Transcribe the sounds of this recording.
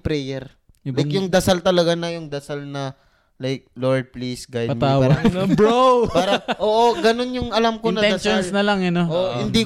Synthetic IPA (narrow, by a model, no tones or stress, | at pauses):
pɾɛjɛɾ | lajkjʊŋd̪ɐsalt̪ɐlɐɡanɐjʊŋd̪ɐsalnɐ | lajk̚loɹd̪̚plisɡaj̪̚mt̪awabɹowpaːɾɐʔoːʔoɡɐno̞njʊŋʔɐlamkonɐɛɐsʃosnɐlaŋɐnoʔoʔhɪnd̪i